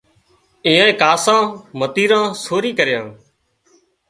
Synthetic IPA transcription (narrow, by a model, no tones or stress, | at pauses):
ĩːãːẽːkaːsãːmət̪iːɾãːsoːɾiːkəɾɪjãː